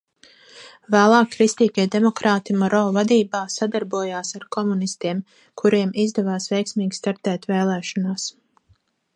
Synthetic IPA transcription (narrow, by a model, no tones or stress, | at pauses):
væːlˠɑːkːɾist̪iːɡʲiɛd̪emɔkɾaːt̪imɔɾɔːvad̪iːbaːsad̪aɾbuɔjaːsaɾkʰɔmunist̪iɛm | kʰuɾiɛmizd̪ɛvaːsvɛjksmiːɡʲi̥st̪aɾt̪ɛːt̪veːlˠɛːʃɔnaːs